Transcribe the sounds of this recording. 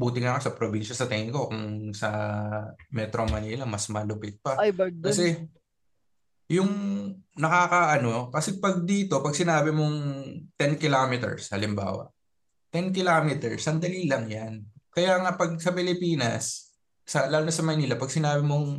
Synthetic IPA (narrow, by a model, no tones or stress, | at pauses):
buːt̪ɪŋɐkosɐpɾobinʃɐsɐt̪ɛŋɪŋko̞kʊŋsɐ | mɛt̪ɾomɐniːlɐmɐsmɐlʊpɪt̪̚pɐkɐsɛ | jʊŋnɐkakɐʔɐno̞kɐsɛpɐɡ̚d̪iːt̪o̞pɐɡ̚sɪnaːbɪmoŋt̪ɛnkɪlaːmɪt̪ɛ̰ɹshɐlɪmba̰ːwɐ̰ʔ | t̪ɛnkɪlaːmɪt̪ɛɹsɐŋd̪ɐliːlɐŋjankɐjaːŋɐpɐɡ̚sɐpɪlɪpiːnɐ̰sː | ɐlaːlʊnɐsɐmɐjniːlɐpɐɡ̚sɪnaːbɪmoŋ